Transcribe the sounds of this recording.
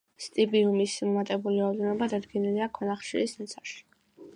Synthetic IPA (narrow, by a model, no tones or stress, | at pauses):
st̪ʼibiumismɔmat̪ʼɛbuliɾaɔvd̪ɛnɔbad̪ad̪ɡɛniliakʰwɔnaχʃiɾisnɛt̪sʰaʃi̥